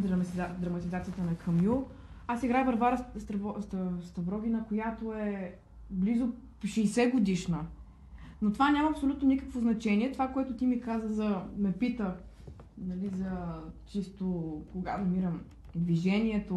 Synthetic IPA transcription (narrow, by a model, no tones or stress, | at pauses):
d̪ɾɐd̪ɾɐmɐt̪izat̪sijət̪ənɐkʰɐmju | asiɡɾajvɐɾvaɾəst̪ɐvɔst̪st̪ɐbɾɔɡ̟ʲinəkojat̪oɛ | blizʊ | ʃɛjsɛɡod̪iʃnə | not̪ovanʲamɐːpsolʲut̪nonikəkvoznɐt͡ʃɛniɛt̪ovakoɛt̪ʊt̪imikazəzɐmɛpit̪ə | nɐlizɐt͡ʃist̪okoɡa̰nɐmiɾəm | d̪viʒɛniɛt̪o